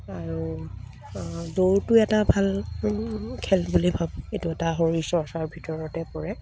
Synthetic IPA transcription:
aɹu | doɹtʊɛtabʱal | kʰɛlbulibʱabetuɛtaɦoɹisɔsaɹbʱitɔɹɔtɛpɔɹɛ

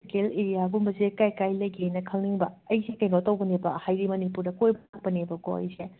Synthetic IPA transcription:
keleɾijaɡumbɐzekajkajlɐjɡiejnɐkʰɐlniŋbɐːjsekɐjnotɐwɡɐnebɐhajɾimɐnipuɾdɐkojbak̚pɐnebɐɡo̰ɐ̰jse

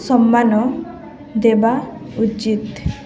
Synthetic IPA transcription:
sɔmːanɔ | d̪ebaut͡ʃit̪

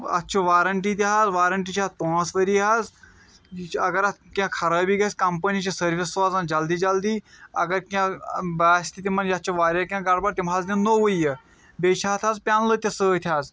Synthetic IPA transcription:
ɐ̰t̪ːt͡ʃʰuʋaːɾəɳʈiːt̪iɦazʋaːɾəɳʈit͡ʃʰat̪õsʋəɾiːɦaz | ɐɡɐɾat̪kʲãkʰɐɾaːbiːɡɐsʲkɐmpənit͡ʃisəɾʋisːʋaːzãnd͡ʒɐld̪iːd͡ʒɐld̪iːɐ̰ɡɐɾkʲãbaːsʲt̪ʰit̪imɐnjatːt͡ʃʰoʋaːɾʲɐkʲãɡaɽbɐɾt̪imɦaːzd̪enoʋujə | beːt͡ʃʰaːt̪ʰaːzpʲaːnlət̪ʲɐsəːt̪ʰjaːz

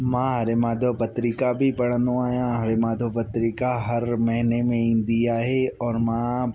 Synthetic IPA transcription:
mãːɦaɾemãːd̪ʱopɐt̪ɾikabʱipɐɽ̤ə̃nd̪õaːjãɦɾemaːd̪ʱopɐt̪ɾikaɦɐɾmɐɦnemẽɪ̃nd̪ijaɦeɔːɾmãː

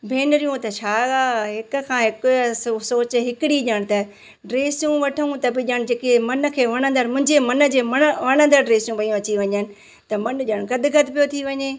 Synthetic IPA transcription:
bʱeːnɾijũt̪ɐt͡ɕʰaːɡaːɦɪk̆kʰãːɦɪksoːt͡ɕɦɪkɪɽiʄəɽ̃̆t̪ɐ | ɖɾeːsjũʋɐʈʰũt̪ɐbɪʄəɽ̃d͡ʑeːkemɐnə̆kʰeːʋɐɽ̃ə̃nd̪əɾmʊ̃ɦɪ̃ɲd͡ʑemɐnə̆d͡ʑeːmɐʋɐɽ̃ə̃nd̪əɾɖɾeːsijũʋɐijũɐt͡ɕiʋɐɲənɪ̆ | t̪ɐmɐnʄəɽ̃ɡɐd̪ɪɡɐt̪pijot̪ʰiʋɐɲeː

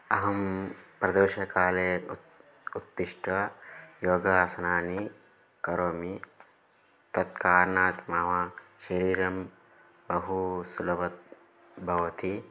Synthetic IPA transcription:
ɐɦɐmpɾɐd̪oːʃɐkaːleː | ut̪ːiʃʈɐjoːɡaːsɐnaːni | kɐɾoːmi | t̪ɐt̪̚kaːɾnaːt̪mɐʋaːʃɐɾiːɾɐm | bɐɦusulɐbɐt̪̚ | bʱɐʋɐt̪ʰi

